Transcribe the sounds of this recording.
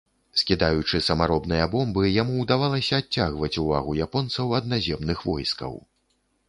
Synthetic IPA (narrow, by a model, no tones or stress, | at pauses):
skʲid̪ajut͡ʂɨsɐmaɾɔbnɨjɐbɔmbɨjamuːd̪avalˠɐsʲɐːt͡sʲːaɣvɐt͡sʲuva̰ɣujapɔnt̪sɐwɐd̪nazʲɛmnɨxvɔ̰jskɐ̰w